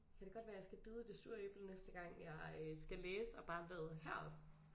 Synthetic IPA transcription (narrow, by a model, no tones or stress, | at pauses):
kʰæɾ̥e̝ɡɒ̽d̥ʋæːɐjɑ̈sɡ̥æb̥iːð̞ˠəd̥e̝suɐ̰eb̥l̩nesd̥əɡ̥ɑ̈ŋ̰jɑ̈ɪsɡ̥æleːsəɒ̽b̥ɑ̈ːʋɛðˠɦæɐ̰ɒb̥